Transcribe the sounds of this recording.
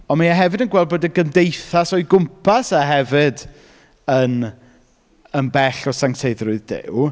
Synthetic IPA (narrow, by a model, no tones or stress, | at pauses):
ɔnmaaɦɛvɨdənɡwɛlˠd̚boːdəɡəmdejθasɔɨɡʊmpʰasaɦɛvɪd | ən | ənbɛɬɔsaŋtʰeɨðrʊɨðdɪ̰w